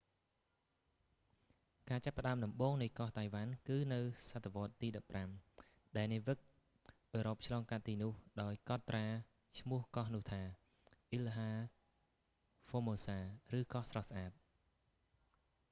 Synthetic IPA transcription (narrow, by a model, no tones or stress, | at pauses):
kaːt͡ɕapːə̆ɗaəmɗɑmɓoːŋnɨjkɑht̪ajʋankɨːnɨwsat̪ʰːaʋŏət̪ːiːɗɑpːram | ɗaɛlniʋɨk̚ | ʔəːɾop̚t͡ɕʰlɑːŋkat̪̚ːiːnʊ̆əhɗaɔjkɑt̪ːraː | t͡ɕʰmʊ̆əhkɑhnʊ̆əht̪ʰaː | ʔilɦaː | foːmoːsaːrɨːkɑhsrɑhsʔaːt̪̚